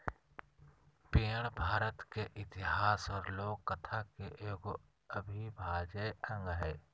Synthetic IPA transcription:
peːɽ̃bʱaːɾət̪keʔɪt̪ɪɦaːsɔːɾloːɡ̚kət̪ʰakeʔɡo | əbʱibʱaːd͡ʒeʔə̃ŋɡɦɛː

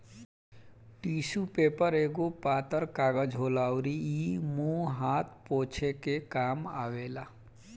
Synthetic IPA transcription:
ʈiːsupeːpəɾeːɡopaːt̪əɾkaːɡəd͡ʒɦoːlaːʊɾiimũɦaːt̪ʰpoːt͡ʃʰekekaːma̰ːʋeːlaː

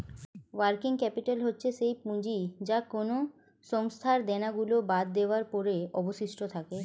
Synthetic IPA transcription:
waɾkiŋkɛpiʈalɦotːɕʰeʃejpũd͡ʑid͡ʑakono | ʃɔŋst̪ʰaɾd̪ɛnaɡulobad̪ːeoaɾpɔɾeɔboʃiʃʈot̪ʰake

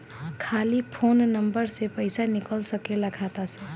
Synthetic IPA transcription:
kʰaːlipʰoːnːəmbəɾsepəɪsanɪkəlsəkeləkʰat̪asɛ̃

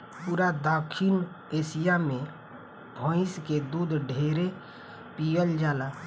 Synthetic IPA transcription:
puːɾad̪akʰin | eːsijamẽ | bʱɔ̃ɪsked̪uːd̪ʱɖʱeːɾe | pijəld͡ʒaːlaː

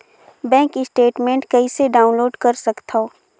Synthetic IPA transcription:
bɛ̃ːŋkɪsʈeːʈmẽːɳʈkɐiseɖaːʊ̃nloːɖkɐɾsɐkt̪ʰaoː

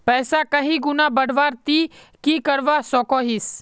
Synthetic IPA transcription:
pɛːsakəɦĩɡʊnabəɽ̤ʋaːɾt̪i | kikəɾʋasɔːkoːɦis

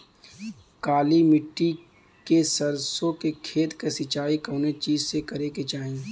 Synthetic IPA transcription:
kaːlimɪʈːi | kesɐɾsõkekʰeːt̪kesɪt͡ʃaːikoːnet͡ʃiːzsekɐɾeket͡ʃaːẽ

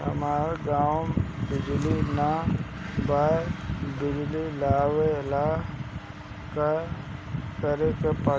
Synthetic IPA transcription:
ɦə̰maːɾɡaːwbɪd͡ʒlina | baːebɪd͡ʒlilaːwelaː | ka | kəɾekepə

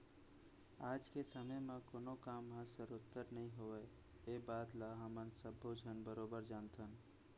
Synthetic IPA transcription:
aːd͡ʒkesəməjmẽkoːnokamɦə̃səɾʊt̪ːəɾnəɦĩɦoɛ | ebaːd̪laɦəmənsəbʱːod͡ʒʱənbəɾoːbəɾd͡ʒaːnt̪ʰən

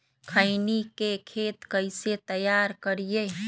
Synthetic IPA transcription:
kʰəɪnikekʰeːt̪kəɪset̪əjaɾkəɾije

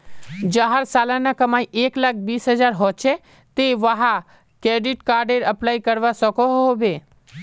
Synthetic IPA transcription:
d͡ʒəɦaɾsalanakəmaiʔeklak̚ʰbiːsɦəd͡ʒaɾɦɔt͡ʃʰe | t̪eʋəɦa | keɖiʈkaɾɖeɾəplaikəɾʋasɔkoɦɦobe

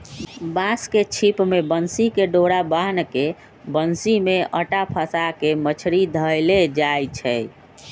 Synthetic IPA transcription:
basket͡ʃʰipmebənsikeɖoɽabaɦnke | bənsimeʔəʈapʰəsakemət͡ʃʰɾid̪ʱəjled͡ʒajt͡ʃʰɛ

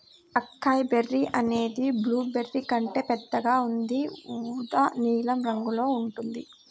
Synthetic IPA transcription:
ɐkːaːjberːiʔɐne̞ːd̪ibluːbe̞rːikɐɳʈeːpɛd̪ːɐɡaːund̪iuːd̪ɐniːlɐmɾɐŋɡulo̞ːuɳʈund̪i

